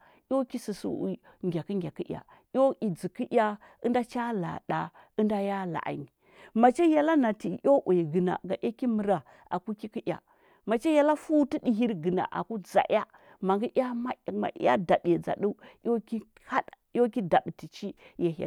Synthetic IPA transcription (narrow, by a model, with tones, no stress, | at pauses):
jo˦ki˦si˨sṵ˨i˦ŋɡʲa˨ki˦ŋɡʲa˨ki˦ʔʲa̰˨ | jʲo˦ʔi˨d͡zi˨ki˦ʔʲa˦ | ə˦nda˦t͡ʃa˦la̰˨da˨ | ə˦nda˦ja˦la̰˨ʔa̰˨ni˨ | ma˨t͡ʃe˦ja˨la˦na˨ti˨ʔo˦ʔe˨ɡə˨na̰˨ɡa˨ʔa˦ki˦mə˨ɾa˨ | ʔa̰˨ku˦ki˦ki˦ja̰˨ | ma˨t͡ʃe˦ja˨la˦fu˦ti˦di˨ɦi˦ɾɡə˨na̰˨ʔa̰˨ku˦d͡za̰˨ʔa˦ | ma˨ŋɡi˦ʔa˦ma˦˨ma̰˨˦a̰˦da˨da˨d͡za̰˨ɗu˦jo˦ki˦ | ha˦ɗjo˦ki˦da˨ɓti˨t͡ʃi˦ja˨a̰˨